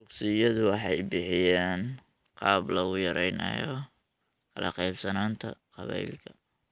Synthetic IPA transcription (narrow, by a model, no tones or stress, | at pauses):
dʊksɪjɐðʊwɑħɑjbɪħɪjaːn | qɑːblɐɣʊjɐɾɛjnɐ̰jɔ | kʰɐlɐqɑjbsɐnaːnt̪ʰɐ̰qɑβɛ̰jlkʰɐ